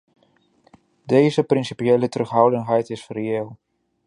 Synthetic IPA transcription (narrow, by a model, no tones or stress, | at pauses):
dejzəprɪnsipijejlətrɵχɦʌwdənɦɛjtɪsrejeːlˠ